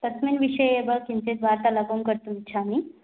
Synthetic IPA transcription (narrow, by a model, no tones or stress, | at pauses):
t̪əsminʋiʂəjebəkint̪et̪ʋaɾt̪alaɡoŋkəɾt̪uit͡ɕʰami